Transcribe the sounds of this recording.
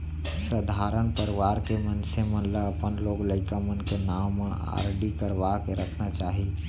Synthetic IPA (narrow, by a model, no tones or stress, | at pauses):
səd̪ʱaɾənpəɾiʋaɾkemənsemənləəpənloɡləɪkamənkenawme | a̰ɾɖikəɾʋakeɾəkʰnat͡ʃaːɦi